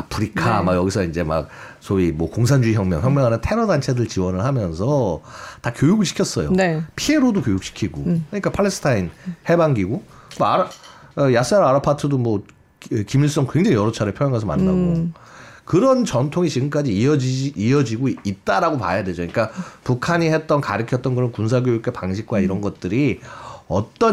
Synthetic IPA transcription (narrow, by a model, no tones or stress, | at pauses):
apʰɯɾikʰamaɡjʌɡisʰʌind͡ʑe̞ma̰k̚ | sʰoimwʌkoŋs̬ʰand͡ʑuiçjʌŋmʲjʌŋçjʌŋmjʌŋanɯntʰe̞ɾʌdant͡ɕʰe̞dɯɭt͡ɕiwʌnɯɭhamjʌnsʰʌtakjojuɡɯɭɕʰi̥kʰjʌs͈ʌjo̰nepʰie̞ɾodokjojuk̚ɕ͈ʰi̥kʰiɡokʰaɲik͈apʰaɭːesʰɯ̥tʰainhe̞baŋɡiɡomoaɾajas͈aɾaɾapʰatʰɯdomwʌ | kimiɭs͈ʌŋkwe̞ŋd͡ʑaŋijʌɾot͡ɕʰaɾeɭpʰjojʌŋasʰʌma̰nːaɡo | kɯɾʌnt͡ɕʌntʰoŋit͡ɕiɡɯmk͈ad͡ʑiʌd͡ʑiiʌd͡ʑiɡoit̚t͈aɾaɡopa̰jadwe̞d͡ʑoɲik͈apukʰaɲihet̚t͈ʌnkaɾɯkʰjʌt͈̚ʌnkɯɾʌnkuns̬ʰaɡjojuk͈̚epaŋɕʰik̚k͈waiɾʌnɡʌt̚t͈ɯɾiʌt͈ʌ